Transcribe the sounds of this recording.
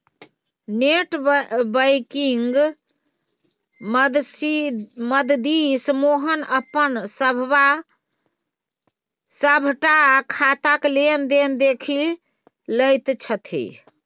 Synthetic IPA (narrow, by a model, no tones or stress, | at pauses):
neʈbəjkiŋɡ | d̪siməd̪d̪ismoɦənəpənsəbʱʋa | səbʱʈakʰat̪aklend̪end̪ekʰi | ləjt̪t͡ʃʰət̪ʰḭ